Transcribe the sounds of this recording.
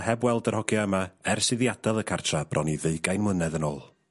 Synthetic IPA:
hɛbwɛlˠdərhɔɡjɔəmaɛrsɪðjadɛlˠəkʰartʰrab̥rʔɔniðeɨɡajnmwənɛðənoːlˠ

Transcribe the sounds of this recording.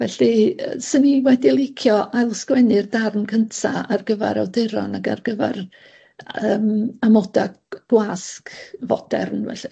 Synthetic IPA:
vɛɬiə̰səniwɛdilˠɪkʰjɔʔalˠskwɛnɪrdarnkʰəntʰaarɡəvɛ̰ɾawdɪɾɔnaɡa̰rɡəvɛ̰r | əːmamɔda | ɡ̥waskvɔ̰d̥ɛ̰rnvɛ̰ɬi

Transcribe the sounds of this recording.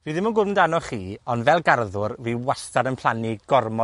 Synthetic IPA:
viːðɪmɔnɡʊn̩danɔχiːɔnvɛlˠɡarðʊrviwastadənpʰl̥ˠaniɡ̥ɔrmɔ

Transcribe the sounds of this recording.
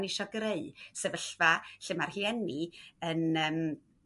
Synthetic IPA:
nɪʃɔɡreɨsɛvəɬvaɬɪmarhiɛniənəːm

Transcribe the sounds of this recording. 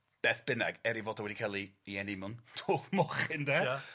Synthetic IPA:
b̥ɛθb̥ɪnɛɡɛɾivoːdɔwɛdikʰɛlˠiiɛnɪmʊntʰoːlˠmɔχɪndɛː

